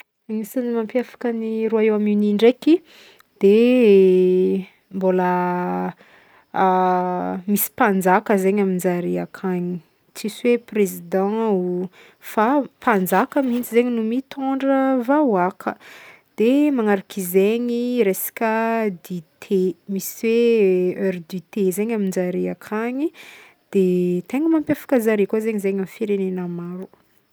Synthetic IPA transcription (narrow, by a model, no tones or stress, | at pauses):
misanimampjafḁkəniɾuaewaminiɳɖ͡ʐeki | d̪̥e | mbolə | misi̥pand͡zakəzeɲaminzaɾiakʰaɲi | t͡sisweprezid̪ɑ̃u | fapand͡zakəmint͡sizeɲinumit̪ʰoɳɖ͡ʐəvawakʰə | d̪̥emaŋaɾakizeɲiɾesḁkʲəd̪it̪ʰemisiweøɾd̪it̪ezeɲamind͡ʒaɾiakʰaɲi | d̪̥et̪eŋimampjafḁkəzaɾikazeɲizeɲamifiɾenenamaɾu